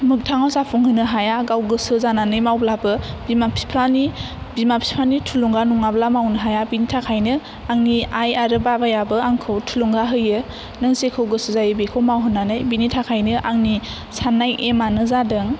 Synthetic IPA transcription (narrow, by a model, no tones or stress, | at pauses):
mɯk̚tʰaŋɔsapʰuŋhɯnɯɦajaɡawɡɯsɯzananɯjmawblabɯbimapʰi̥pʰɾani | bimapʰi̥pʰanitʰuluŋɡanuŋablamawnɯɦajabinitʰakʰajnɯ | aŋniajaɾɯbabajabɯaŋkʰɯwtʰuluŋɡaɦɯjɯ | nɯŋsekʰɯwɡɯsɯzajɯbekʰɯwmawɦɯnanɯjbinitʰakʰajnɯʔaŋni | sanːajʔemanɯzadɯŋ